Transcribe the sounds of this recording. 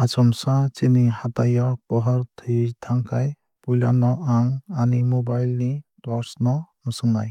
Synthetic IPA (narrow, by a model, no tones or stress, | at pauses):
at͡ʃɔmsat͡ʃinihat̪ajɔpɔɦɔɾt̪ʰid̪ʰaŋkʰaj | pujlanɔʔaŋanimobajlnitɔɾsnɔnɯsɯŋna̰j